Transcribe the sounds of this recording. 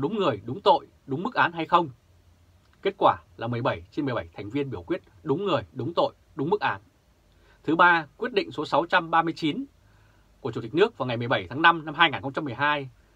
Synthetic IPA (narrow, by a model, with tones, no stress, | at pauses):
ɗʊ˨˦ŋ͡mŋɨ˨˩əjɗʊ˨˦ŋ͡mt̪o̰˧˨j | ɗʊ˨˦ŋ͡mmɨ˦˥k̚ʔaː˨˦nɦa˧jxə˧wŋ͡m | ke˦˥t̚kwaː˧˩laː˨˩mɨ˨˩əjɓə˧˩jt͡ɕe˧nm˨˩jɓə˧˩jt̪ʰɛ˨˩ŋ̟vi˧ənɓi˧˩əwkwi˦˥ət̚ɗʊ˨˦ŋ͡mŋɨ˨˩əjɗʊ˨˦ŋ͡mt̪o̰˧˨j | ɗʊ˨˦ŋ͡mmɨ˦˥k̚ʔaː˨˦n | t̪ʰɨ˨˦ɓaː˧kwi˦˥ət̚ɗḭ̈˧˨ŋ̟so˨˦sa˨˦wt͡ɕa˧mɓaː˧mɨ˧əjt͡ɕi˨˦n | ku˧˩t͡ɕu˧˩t̪i˨˩k̟̚nɨ˦˥ək̚vaː˨˩wŋa˨˩jmɨ˨˩əjɓə˧˩jt̪ʰaː˨˦ŋna˧mna˧mɦaː˧jŋaː˨˩nxə˧ŋ͡mt͡ɕa˧mɨ˨˩əjɦaː˧j